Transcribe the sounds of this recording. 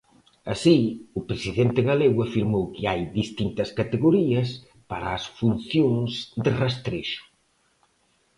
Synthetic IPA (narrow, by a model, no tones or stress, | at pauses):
ɐsiʊpɾesiðent̪ɪɣaleɣwafiɾmowkɪajðist̪int̪ɐskat̪eɣoɾiɐs | paɾɐːsfun̟θjoŋzðɪrast̪ɾeʃʊ̥